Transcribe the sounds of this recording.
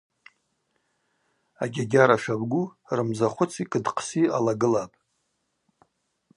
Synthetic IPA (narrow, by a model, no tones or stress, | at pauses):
aɡʲaɡʲaɾaʂabɡʷurɨmzaχʷʊt͡sʰikʼɨdqʰsialaɡɨlapʼ